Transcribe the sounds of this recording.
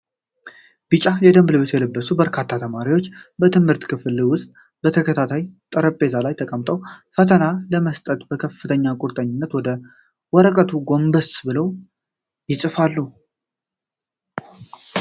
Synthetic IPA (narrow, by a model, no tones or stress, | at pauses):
b̥ɨt͡ʃʼajɛd̪əmblɨβet̪jɛlɨbːəsubəɾkʰat̪ʰːat̪ʰəmaɾiwo̞t͡ʃːbət̪ʰɨmhɨɾt̪kʰɨfliwʊst̪ʼ | bət̪ʰəkʰət̪ʰat̪ʰajt̪ʼəɾəpʼːe̞zalajt̪ʰəkʼəmt̪ʼəwfət̪ʰənaləməst̪ʼət̪ʼbəkʰəfːɨt̪ʰəɲːakʼuɾt̪ʼəɲːɪnːət̪wɔd̪ə | wɔɾəkʼət̪ʰuɡo̞mbəsbɨləw | jɪsʼɨfalːu